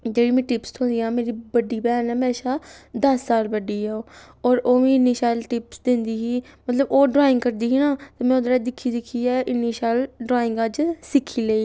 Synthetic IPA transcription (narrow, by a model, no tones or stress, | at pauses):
d͡ʒeːɽiːmɛ̃ːʈɪpst̪ʰõːnd̪iːãːmeːɾiːbəɖːiːbɛːnɛːmeːʃaːd̪əsːaːlbəɖiːɦɛːoː | ɔːɾoːʋĩːɪnːiːsaːlʈɪpsd̪ɪnd̪iːɦiːmət̪ləboːɖɾaːɪ̃ŋɡkəɾd̪iːɦiːnãːt̪aːmɛ̃ːʊd̪ɾaːd̪ɪkʰːiːd̪ɪkʰːiːɛːʔɪnːiːsaːlɖɾaːɪ̃ŋɡad͡ʒsɪkʰːiːləiː